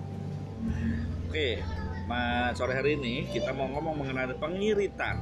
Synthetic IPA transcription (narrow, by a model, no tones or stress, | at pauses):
okemasoɾɛɦaɾiːnikit̪amŋɔmɔŋməŋənalpəŋiɾit̪a̰n